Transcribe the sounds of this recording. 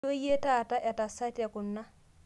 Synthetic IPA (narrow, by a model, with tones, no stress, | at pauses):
o˦je˦ta˦˨ta˦ʔa˨ta˨sa˦ta˨ku˨nːa˦